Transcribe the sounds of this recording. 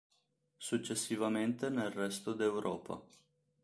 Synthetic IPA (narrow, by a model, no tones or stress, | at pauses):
suk̚t͡ʃesːivament̪enelrest̪ud̪ewɾʔoːpʰa̰